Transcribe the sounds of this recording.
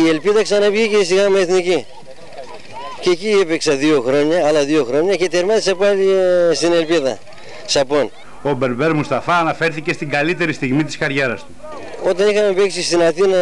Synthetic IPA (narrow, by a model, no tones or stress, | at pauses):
ie̞lpiðɐksɐnɐvʝicesiɣɐmeːθnici | ceciepeksɐðioxɾo̞ɲɐːlɐðio̞xɾo̞ɲɐce̞t̪ieɾmɐðisɐpɐlist̪ine̞lpiðɐ̰ | sɐpon | obe̞ɾbe̞ɾmust̪ɐfɐːnɐfe̞ɾθice̞st̪iŋɡɐlit̪e̞ɾist̪iɣmit̪i̥skɐɾʝe̞ɾɐst̪u | o̞t̪ɐnixɐmepeksist̪inɐθinɐ